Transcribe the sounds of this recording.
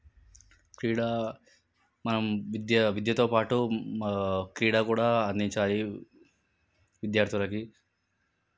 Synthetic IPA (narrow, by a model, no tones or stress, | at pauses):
kɾiːɽaː | mɐnɐmʋid̪jɐʋid̪jɐt̪oːpaːʈu | kɾiːɽaːkuːɽaːɐnd̪iɲt͡ʃaːli | ʋid̪jaːɾt̪ʰulɐki